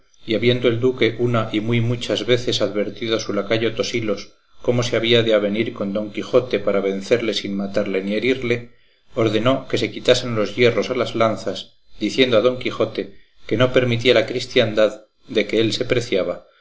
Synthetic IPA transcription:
iaβjend̪oe̞ld̪uke̞ʔunaʔimujmut͡ʃazβe̞θe̞saðβe̞ɾt̪iðoasulakaʝo̞t̪o̞silo̞s | ko̞mo̞se̞aβ̞iaðeaβ̞e̞niɾko̞nd̪o̞ŋkixo̞t̪e̞paɾaβe̞n̟θe̞ɾle̞sinmat̪aɾle̞nie̞ɾiɾle̞ | o̞ɾðe̞no̞ke̞se̞kit̪ase̞nlo̞zʝe̞ro̞salazlanθas | d̪iθje̞nd̪oaðo̞ŋkixo̞t̪e̞ | ke̞nope̞ɾmit̪̬ialakɾist̪jand̪að | d̪e̞ke̞else̞pɾe̞θjaβ̞a

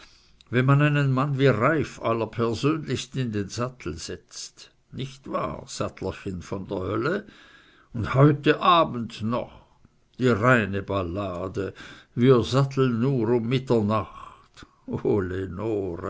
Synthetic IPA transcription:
vɛnmanaɪnənmanviːʁaɪfa̰lɐpʰɛɐzøːnlɪçstɪndeːnzatʰl̩z̥ɛt͡st | nɪçtv̥a̰ːz̥atʰlɐçɪnfɔndeːɐhœlə | ʊnthɔʏtəʔaːbn̩tnɔ̰χ | d̥iːʁaɪnəbalaːdəviːɐzatl̩ənːuːʁʊmːɪtɐnaχt | ʔoːlenoːʁə

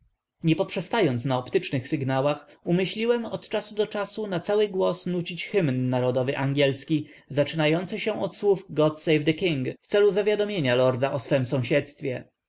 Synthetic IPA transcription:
ɲɛpɔpʂɛst̪ajɔnt̪snaɔpt̪ɘt͡ʂnɘxsɘɡnawax | umɘɕlʲiwɛmɔt̪t͡ʂasud̪ɔt͡ʂasunat̪sawɘɡwɔsnut͡ɕit͡ɕxɘmnːaɾɔd̪ɔvɘʔaŋɡʲɛlskʲi | zat͡ʂɘnajɔnt̪sɘɕɛ̃ʔɔt̪swufɡɔt̪sɛjvd̪ɛkʲiŋɡft̪sɛluzavʲjad̪ɔmʲjeɲalɔɾd̪aʔɔsfɛmsɔ̃w̃ɕɛt̪st̪fʲjɛ

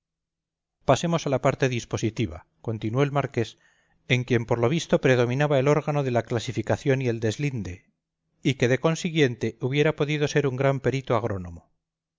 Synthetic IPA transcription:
pase̞mo̞salapaɾt̪e̞ðispo̞sit̪iβa̰ | ko̞nt̪inwo̞elmaɾke̞s | e̞ŋkje̞mpo̞ɾlo̞βist̪o̞pɾe̞ð̞o̞mĩnaβae̞lo̞ɾɣano̞ðe̞laklasifikaθjo̞nie̞ld̪e̞zlind̪e̞ | ike̞ðe̞ko̞nsiɣje̞nt̪e̞uβje̞ɾapo̞ðið̞o̞se̞ɾuŋɡɾampe̞ɾit̪oaɣ̞ɾo̞no̞̰mo

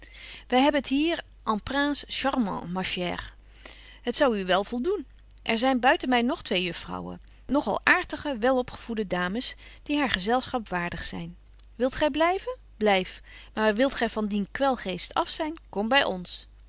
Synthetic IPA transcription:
ʋɛjɦɛbəntɦiːɹ | ʔɑmpraːnsʃɑrmɑ̰̃mɑʃɛ̰ːr | ɦətsɑwyʋɛlˠv̥ɔlˠdun | ʔɛɹzɛjnbœɥtənmɛjnɔχtʋejɵfrɑ̰wə̰ | nɔχɑ̰lˠʔaːɹtəχəʋɛlˠɔpχə̥v̥udədaːməsd̥iɦaːɹχəzɛlˠsχɑpʋaːɹdəχsɛ̰jn | ʋɪlˠtχɛjblɛjvə | b̥lɛjfmaːɹʋɪlˠtχɛjvɑndinkʋɛlˠχejstɑfsɛjnkɔmbɛjɔns

